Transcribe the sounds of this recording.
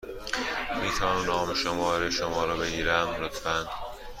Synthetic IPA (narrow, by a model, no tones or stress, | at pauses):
miːt̪ʰæmnɒːmeʃomɒːɾeʃomɒːɾɒːbe̞ɡiːɾæmɾot̪ʰfænd̪̥